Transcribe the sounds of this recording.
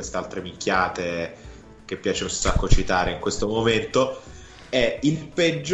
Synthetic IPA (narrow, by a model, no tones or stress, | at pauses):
west̪ealt̪ɾemiŋkʰʲjaːt̪e | k̟epːjaːt͡ʃeunsakːot͡ʃit̪aːɾeiŋkwest̪omoment̪o | ɛilped͡ʒː